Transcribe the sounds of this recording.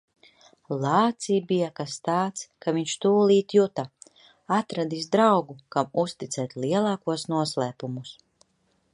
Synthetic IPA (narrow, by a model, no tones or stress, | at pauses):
lˠaːt̪siːbijakast̪aːt̪skaviɲʃt̪uːlˠiːt̪jut̪a | at̪ɾad̪is̬d̪ɾawɡukamust̪it̪sɛːt̪ʲliɛlˠɑːkuɔsnuɔslˠɛːpumus